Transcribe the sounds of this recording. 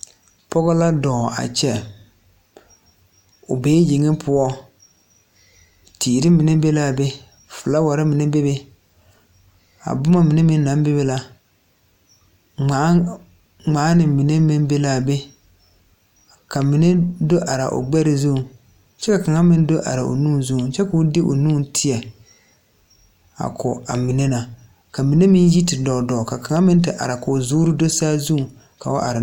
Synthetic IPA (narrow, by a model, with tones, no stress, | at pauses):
pɔ˦ɣɔ˦la˦dɔ˨ʔa̰˨t͡ʃɛ˦ | ʊ̰˨beː˦ji˨ŋi˦pʰʊ˦ɔ˦ | tʰiː˨ɾɪ˦mi˨ne˦be˦la˦˨be˦ | fʊ˨la˦wa˨ɾɪ˦mɪ˨ne˦be˦be˦ | a̰˨bʊ˦ma˦mɪ˨ne˦mɪ˦nː˦a˨˦mbe˦be˦la˦ | a˨˦ | ŋ͡maː˨˦nɪ˨mi˨ne˦mi˦n˦be˦la˦be˦ | ka˨mɪ˨ne˦do˦ʔa˨ɾa̰˨ʔo̰˨ɡ͡bɛ˦ɾɪ˨˦zu˦u˨ | t͡ʃɛ˦ka˨ka˨ŋa˦mɪ˦n˦do˦ʔa̰˨ɾa̰˨ʔo̰˨nuː˦˨n˦zu˦u˨t͡ʃɛ˦ka˨ʊ˦dɪ˦ʔo̰˨nuː˦ntʰɪ˦ɛ˨ | a̰˨kʰɔ˨a̰˨mi˨ne˦na˨ | ka˨mi˨ne˦mɪ˦n˦ji˦tɪ˨dɔ˨dɔ˨ka˨ka˨ŋa˦mɪ˦n˦tɪ˨ʔa̰˨ɾa˨kʊ˨zuː˦ɾɪ˦do˦saː˦zu˦ũ˨ | ka̰˨o˦ʔa̰˨ɾɪ˨